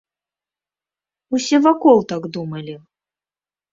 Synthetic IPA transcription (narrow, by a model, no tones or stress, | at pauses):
usʲɛvakɔlˠt̪aɡd̪umɐlʲi